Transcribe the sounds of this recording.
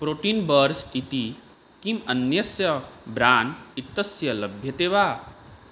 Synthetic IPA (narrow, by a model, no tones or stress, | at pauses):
pɾoːʈiːnbəɾsit̪i | kimɐnjɐsjɐbɾaːnit̪ːɐsjɐlɐbʱjɐt̪eːʋaː